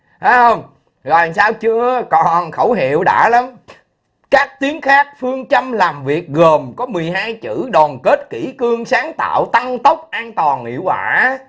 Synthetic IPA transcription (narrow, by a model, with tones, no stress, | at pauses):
a˨˦jhə˧wŋ͡m | zɔ˨˩˨saː˧wt͡ɕɨ˧əkɔ˨˩nxə̰˧˩wɦḭ˧˨əwɗa̰ː˧˥la˨˦m | kaː˦˥k̚t̪i˨˦əŋxaː˦˥k̚fɨ˧əŋt͡ɕə˧mlaː˨˩mvi˨˩ək̚ɣəː˨˩mkɔ˨˦mɨ˨˩əjɦaː˧jt͡ɕɨ̰˧˥ɗɔ˨˩nke˦˥t̚ki˧˩˥kɨ˧əŋsaː˨˦ŋt̪a̰ː˧˨wt̪a˧ŋt̪ə˦˥wk͡p̚ʔaː˧nt̪wɔ˨˩nŋḭ˧˨əwkwaː˧˩